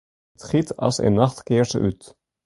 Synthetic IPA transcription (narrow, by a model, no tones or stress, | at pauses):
tχitɑ̰lˠsḛnːɑχtkɪːɹzəʔyt